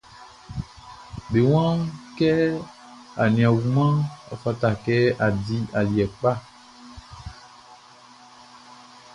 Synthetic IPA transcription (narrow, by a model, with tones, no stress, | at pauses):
be˨w̃ã˦kɛ˦ | a̰˨nĩ˨ã˨wu˨mã˦a̰˨fa˦ta˨kɛ˦a˨di˦a˨ljɛ˨k͡pa˦˨